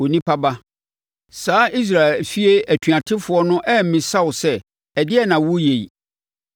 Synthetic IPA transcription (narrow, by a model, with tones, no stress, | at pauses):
o˨nĩ˦pʰa˦ba˦ | saː˦i˦s̬ɾa˨e˨fi˦e˦æ˨tʰɥa˨tʰɪ˦fʊ˨ɔ˦nʊ̃˦ʔɛ˦m̩˦mĩ˨sa˦wʊ˨sɛ˦ | ɛ˨dɪ˦ɛ˦nã˨wʊ˦je˨i˨